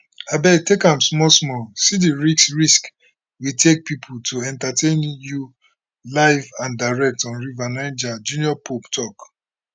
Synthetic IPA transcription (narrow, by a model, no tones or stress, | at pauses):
abɛɡ̚tekãmsmɔsmɔsidiɹiksɹisk | witʰek̚pipʰutʰoɛ̃ntatʰẽnju | laɪvãndaɹɛk̚tɔ̃nɹivanãɪ̃nd͡ʒad͡ʒũnjɔpʰoptʰɔk